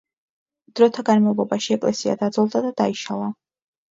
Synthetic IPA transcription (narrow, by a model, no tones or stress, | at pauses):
d̪̥ɾɔt̪ʰaɡanmavlˠɔbaʃiɛkʼlɛsia̰d̪ad̪zɔlˠd̪ad̪ad̪aiʃalˠa